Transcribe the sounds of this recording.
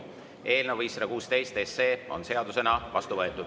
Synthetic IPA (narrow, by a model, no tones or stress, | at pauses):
ʔe̞ːlnevisrekuːst̪e̞jst̪esːeːo̞̰nse̞ɑd̪use̞nɑvɑst̪uvɤ̞et̪ːˑud̪̥